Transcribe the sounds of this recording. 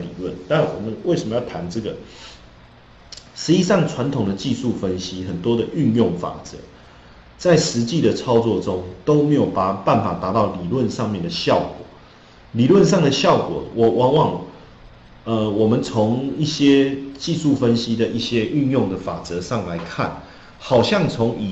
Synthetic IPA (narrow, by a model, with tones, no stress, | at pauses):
lḭ˨˩lwə˥˩nt̪a˥˩wɔ̰˨˩mə˨nwe˥˩ɪʂə˨˩mə˧˦jɑ˥˩tʰa˧˥nʈ͡ʂɤ˥˩ɡə˩ | ʂɻ̩˧˥i˥ʂɑ˥˩ŋt͡sʰwa˧˦nt̪ʰʊ˨˩ŋd̪ə˩t͡ɕi˥˧su˥˨fə˦nɕi˦xə˨˩nt̪wɔ˥d̪ə˨ʔy˥˧njʊ˥˩ŋfa̰˨˩t͡sə̰˧˦ | t͡sa˥˩ɪʂɻ̩˧˦t͡ɕi˥˨d̪ə˨t͡sʰɑ˥ʊt͡swɔ˥˨ʈ͡ʂʊ˦ŋt̪o˥ʊme˧˥jo˨˩ʊpa˨˩pa˥˨˩nfa˨˩t̪a˧˥t̪ɑ˥˩ʊli˨˩lwə˥˧nʂɑ˥˧ŋmjɛ˥˨nd̪ə˩ɕjɑ˥˨ʊkwɔ̰˨˩ | li˨lwə˥˧nʂɑ˥˩ŋd̪ə˨ɕjɑ˥˨ʊkwɔ̰˨˩wɔ˨˩wɑ˧˥˦ŋwɑ˨˩ŋ | ə˧wɔ˨˩mə˨nt͡sʰo˧˦ŋi˥˩ɕjɛ˦t͡ɕi˥˧su˥˨fə˦nɕi˦d̪ə˨ʔi˥˩ɕjɛ˦˥ʔy˥˧njʊ˥˨ŋd̪ə˩fa˨˩t͡sɤ˧˦ʂɑ˥˩ŋla˧˦ɪkʰa̰˥˩n | xɑ˨˩ʊɕjɑ˥˩ŋt͡sʰo˧˦˥ŋi˨˩